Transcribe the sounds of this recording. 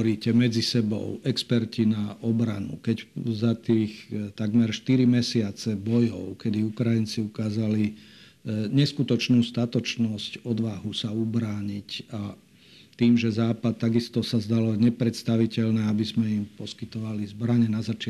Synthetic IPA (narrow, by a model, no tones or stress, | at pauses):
ɾiːcɛmɛd͡zisɛbɔ̰ʊɛkspɛɾcinaɔbɾanṵkɛczat̪iːxt̪aɡmɛɾʃt̪iɾimɛsɪat͡sɛbɔjɔ̰ʊkɛd̪iukɾajint͡siukaːzali | ɲɛskut̪ɔt͡ʃnuːst̪at̪ɔt͡ʃnɔscɔd̪ʋaɦusaubɾaːɲica | t̪iːmʒɛzaːpat̪̚ːaɡist̪ɔsazd̪alɔɲɛpɾɛt̪st̪aʋicɛʎnɛabizmɛimpɔskit̪ɔʋalizbɾaɲɛnazat͡ʃɪ